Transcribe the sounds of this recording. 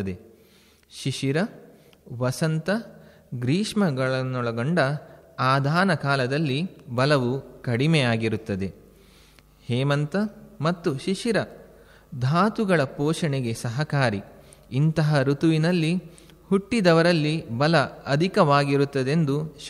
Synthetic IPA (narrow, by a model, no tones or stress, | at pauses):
ɐd̪e | ʃiʂiɾɐ | ʋɐsɐnt̪ɐ | ɡɾiːʂmɐɡɐɭɐnːɔɭɐɡoɳɖɐaːd̪ʱaːnɐkaːlɐd̪ɐlːibɐlɐʋukɐɽimɛjaːɡiɾut̪ːɐd̪e̞ | hɛːmɐnt̪ɐmɐt̪ːuʃiʂiɾɐ | d̪ʱaːt̪uɡɐɭɐpoːʃɐɳeɡe̞sɐɦɐkaːɾi | int̪ɐɦɐɾut̪uʋinɐlːi | huʈːid̪ɐʋɐɾɐlːibɐlɐɐd̪ʱikɐʋaːɡiɾut̪ːɐd̪e̞nd̪uʃ